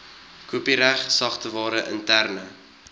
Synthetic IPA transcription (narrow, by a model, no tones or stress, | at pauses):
kuəpiɾæχsɐχtəvɑːɾəʔə̰ntærnə